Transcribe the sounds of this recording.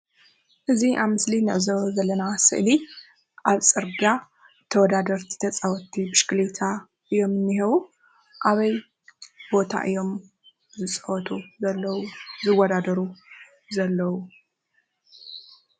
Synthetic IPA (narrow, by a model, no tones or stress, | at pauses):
ʔɨziʔaβmɨslinɨʕɨzɐβzɐlːɐnasɨ̰ʔli | ʔaβt͡sʼɨɾɡa | t̪ʰɐwɔd̪ad̪ɐɾt̪ʰi̥t̪ʰɐt͡sʼawɔt̪ʰːibɨʃkɨlet̪ʰa | ʔɨjo̞mɨnːiɦɐβu | ʔaβɐj | bo̞t̪ʰa̰ʔɨjo̞m | zɨt͡sʼfɔt̪ʰuɐlːzɨwːɐd̪ad̪ɐɾu | zɐlːɐwu